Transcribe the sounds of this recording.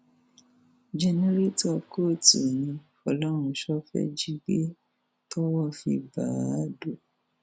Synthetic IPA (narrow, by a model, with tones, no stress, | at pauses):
d͡ʒɛ˧nɛ˦ɾe˦tɔ˦˨ko˦˨ti˨nĩ˧ | ɔ˧lɔ˦ɾ̃ũ˧ʃɔ˦fɛ̰˦d͡ʒi˦ɡe˦ | tɔ˦wɔ˦fi˧ba̰˨a˦do˦˨